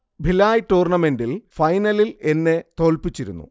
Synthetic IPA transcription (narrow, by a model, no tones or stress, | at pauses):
bʱilaːjʈuːrɳɐme̞ndilfɐjnɐlile̞nːe̞t̪o̞ːlpit͡ɕːiɾṵnːṵ